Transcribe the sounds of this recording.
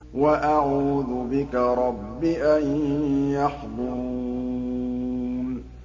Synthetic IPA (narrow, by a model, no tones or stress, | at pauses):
waʔaʕuːðʊbɪkaɾˤɑbːiʔanjɑħd̪ˤʊɾuː | n